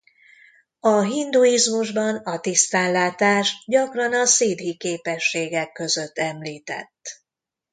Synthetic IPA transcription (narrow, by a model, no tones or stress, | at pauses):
ɒɦind̪uizmuʒbɒnɒt̪ist̪aːnlaːt̪aːʒɟɒkrɒnɒsiːd̪ɦikeːpɛʃːeːɡɛkːø̞zø̞t̪ːɛmliːt̪ɛ̰t̪ː